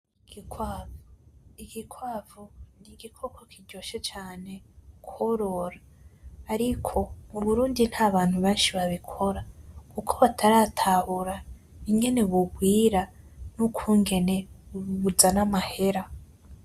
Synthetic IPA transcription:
ɡikwaviɡikwaːvoniɡikʰokokʰiɟoʃet͡ʃaːne̞kʰwoɾo̞ɾaː | ɾikʰo̞muβuɾuːndin̥haːβaːn̥huβeːnʃiβaβikʰo̞ɾakukʰoβatʰaɾaːtʰaβuɾa | iŋe̞ne̞βuɡwiːɾa | nukʰuːŋɡe̞ne̞uβuzanamahe̞ɾa

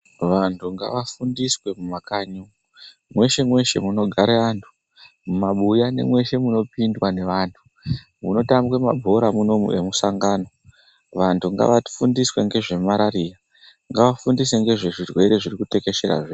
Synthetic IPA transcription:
ʋantʰuŋɡa̰ʋafundiswe̞mumakaɲu | mwe̞ʃe̞mwe̞ʃe̞̰muno̞ɡʱaɾeantʰu̥ | mumaɓujane̞̰mwe̞ʃe̞muno̞pindwane̞ʋaːntʰu | muno̞tambwe̞mabʱo̞ɾamuno̞mṵʔe̞musaŋɡaːno̞ | ʋantʰuŋɡa̰ʋai̥fundiswe̞ŋɡe̞ʐe̞maɾaɾira | ŋɡaʋafundise̞ŋɡe̞ʐe̞ʐirwe̞ɾe̞ʐirikute̞ke̞ʃe̞ɾa̰ʐeː

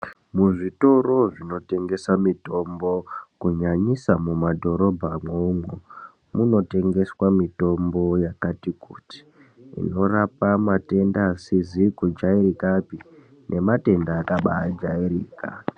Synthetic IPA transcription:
muʐito̞ro̞ʐino̞te̞ŋɡe̞samito̞mbo̞kuɲaɲisamumadʱo̞ɾo̞bʱamouŋwu | muno̞te̞ŋɡe̞swamito̞mbo̞jakatikuti̥ | ḭno̞rapamate̞ndasizikud͡ʒairikapi | nʔe̞mate̞ndaːkaɓa̰ad͡ʒairiːka̰

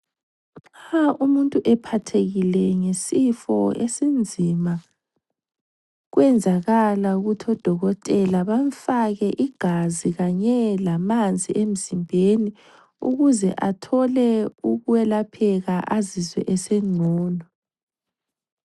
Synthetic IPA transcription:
aumuntʼuʔɛpʰatʰeɣilɛŋesifɔ̰esind͡zʱima | ɣwɛnd͡zʱaɣalauɣutʰɔd̥ʱɔɣɔtʼɛlaβaɱfaɣɛʔiɡ̥ʱaziɣaɲɛlamand͡zʱiʔem̩zimbʱeni | ṵɣuzɛʔatʰɔlɛuɣuwɛlapʰɛɣaʔazizwɛ̰ʔɛseŋ͡ǀʱɔːnɔ

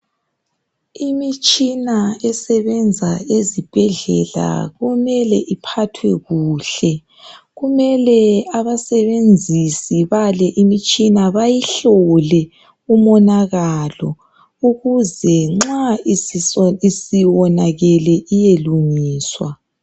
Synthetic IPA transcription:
imit͡ʃʼinaɛsɛβɛnd͡zʱaezib̥ʱɛɮɛ̰la̰ɣumɛlɛʔipʰatʰwɛɣuːɬɛ | ɣumɛlɛaβasɛβend͡zʱisiβalɛʔimit͡ʃʼinaβajiɬɔlɛ | umɔnaɣalɔ̰ | uɣuzɛŋ͡ǁaiisiwɔnaɣɛlɛʔijeluŋiːswa̰

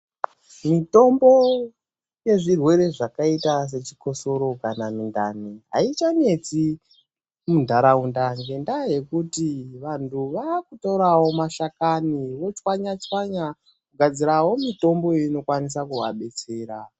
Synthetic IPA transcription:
mito̞mbo̞ | je̞ʐirwe̞ɾe̞ʐakaitas̬e̞t͡ʃi̥ko̞so̞ɾo̞kanamindaniɦa̰it͡ʃane̞t͡si | mundʱaɾaundaŋɡe̞ndaje̞kutiʋantʰuʋakutouɾawo̞maʃakaniʋo̞t͡ʃwaɲat͡ʃwaɲa | kuɡʱad͡ziɾawo̞mito̞mbo̞ino̞kwanis̬akuwaɓe̞t͡se̞ːɾa

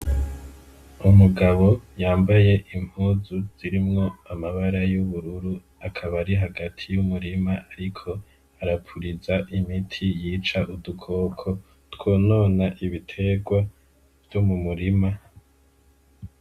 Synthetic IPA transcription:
umuɡaβo̞jaːmbaje̞ʔim̥uzuz̥iɾimŋo̞amaβaɾajuβuɾuɾu | akʰaβaɾiɦaɡatʰijumuɾimaʔaɾikʰo̞ | aɾapʰuɾizaʔimitʰijiːt͡ʃaʔudukʰo̞ːkʰo̞ | two̞ːno̞ːnaʔiβitʰe̞ɡwa | v̥jumumuɾima

